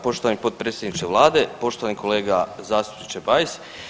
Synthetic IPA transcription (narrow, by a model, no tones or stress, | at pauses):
po̞ʃt̪oʋanipo̞t̪̚pɾeːt̪sʲjed̪nit͡ʃkeʋlˠaːd̪e̞po̞ʃt̪oanikʰo̞le̞ːɡazaːst̪u̥pnit͡ʃebajis